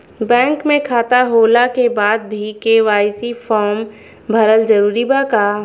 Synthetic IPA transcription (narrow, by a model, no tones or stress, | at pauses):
bɛ̃ːŋkmẽkʰaːt̪aɦoːlakebaːd̪̚bʱikeʋaːɪsifʰɔːɾm | bʱɐɾəld͡ʒəɾuːɾibaːkaː